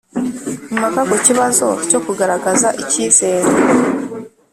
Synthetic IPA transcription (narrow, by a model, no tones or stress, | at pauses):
imakakuciβazo̞̰co̞kuɡaɾaɡazaʔiciːze̞ːɾo